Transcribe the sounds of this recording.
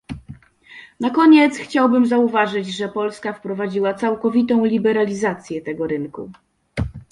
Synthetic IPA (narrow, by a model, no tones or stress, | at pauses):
nakɔɲɛt̪sxt͡ɕawbɘmzauvaʐɘd͡ʑʐɛpɔlskafpɾɔvad͡ʑiwat̪sawkɔvʲit̪ɔ̃w̃lʲibɛɾalʲizat̪sʲjɛt̪ɛɡɔɾɘnkṵ